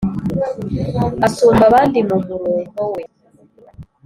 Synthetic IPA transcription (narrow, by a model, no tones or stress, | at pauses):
asumbaβandimumuɾuːmɡɔwɛ